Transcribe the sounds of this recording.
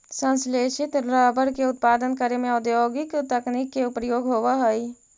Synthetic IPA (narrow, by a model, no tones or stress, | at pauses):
sə̃nsleʃɪt̪ɾabəɾkeʊt̪̚paːd̪ənkəɾemẽɔd̪joːɡɪkt̪əknikːeʊpɾjoːɡɦoːʋaɦəj